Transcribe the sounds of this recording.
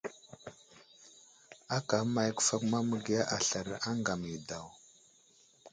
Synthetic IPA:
a˦ka˨˦ma˨jkə̥˨fa˦kma˦mə˨ɡi˨ja˦ʔa˨ɬa˨ɾa˨ʔa˦ŋɡa˨mi˨da˨w

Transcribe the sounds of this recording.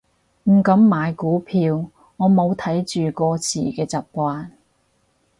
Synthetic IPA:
m̩˨˩kɐ˨˥mːaː˨˧jkuː˨˥pʰiː˧w | ŋɔː˨˧mo˨˧wt̪ʰɐ˨˥jt͡ʃyː˨kɔː˧t͡sʰḭː˨˩kɛː˧t͡saː˨˩p̚kʷaː˧n

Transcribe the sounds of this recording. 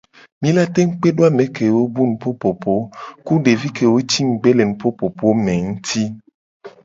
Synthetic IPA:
mĩ˦la˦t̪e˦ŋ̩˦k͡pe˦ɖo˦a˨mẽ˨ke˨wo˦bu˦nũ˨po˦po˨po˨˦ku˦ɖe˨vi˦ke˨wo˦t͡ɕi˦ŋ̩˨ɡ͡be˦le˨nũ˨po˦po˨po˦mẽ˨ŋũ˦t̪ʰi˦

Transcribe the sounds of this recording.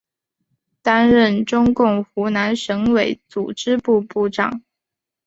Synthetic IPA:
t̪a˥nɻə˥˩nʈ͡ʂʊ˥ŋkʊ˥˩ŋxu˧˥na˧˥nʂɤ˧˥ŋwe˨˩ɪt͡su˨˩ʈ͡ʂɻ̩˥pu˥˧pu˥˩ʈ͡ʂɑ˨˩˦ŋ

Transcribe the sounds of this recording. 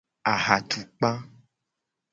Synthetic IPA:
a˨ɦa˨t̪ʰu˨k͡pa˦

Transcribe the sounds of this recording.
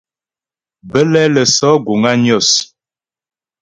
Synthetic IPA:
bə˦lɛ˦lə˨sɔ˦ɡo˨ŋɡa˦njɔ˦˨s

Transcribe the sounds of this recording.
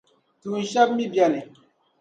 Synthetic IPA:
tu˨n̩˨ʃa˦p̚mi˦bja˦˨ni˨

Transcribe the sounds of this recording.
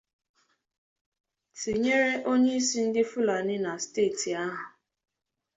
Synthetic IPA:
ti˨ɲe˦ɾe˦ʔo˦ɲe˦i˦si˦n̩˦dɪ˦fʊ˦la˨nɪ˦na˨steː˦˨ti˨a˦ɦʊ˨

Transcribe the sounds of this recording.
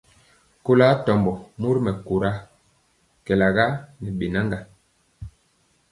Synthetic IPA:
ko˦la˦tɔ˨mbɔ˨mu˦ɾmɛ˨ko˨ɾa˦ | kɛ˨la˨ɡa˦nɛ˨ɓe˨na˦ŋɡa˨

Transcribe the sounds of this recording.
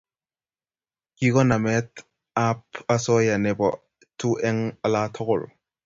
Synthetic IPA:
ki˦kɔ˦na˨mɛ˦t | a˦p̚ʰa˦sɔ˦ja˨nɛ˨bɔ̰˨ | tʰu˦ʔɛ˦ŋa˦la˦tʰɔ˦kʊ˨l

